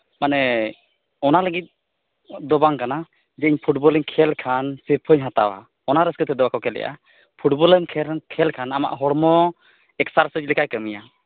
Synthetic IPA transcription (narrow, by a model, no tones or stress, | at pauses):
manɛ | ɔnaləɡit̪̚ | d̪ɔbaŋkana | d͡ʒɛiɲpʰuʈ̚bɔləɲkʰɛlkʰansiɾpʰəɲɦat̪a̰wa̰ | ɔnaɾəskət̪ɛd̪ɔbakʰɔkɛlɛ̰jʔa̰ | pʰuʈbɔləɲkʰɛkʰɛlkʰanama̰ʔɦɔɽmɔ | ɛksaɾsəd͡ʒlɛkʰajkəmija